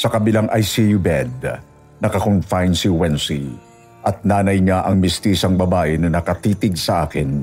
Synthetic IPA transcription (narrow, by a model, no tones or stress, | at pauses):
sɐkɐbɪlaŋʔɐjsijubɛd̪̚ | nɐkɐkonfajnsiwɛnsi | ʔɐt̪̚naːnɐjɲaʔɐŋmɪst̪iːsɐŋbɐbaːʔɪnɐnɐkɐt̪iːt̪ɪɡ̚sɐʔaːkɪn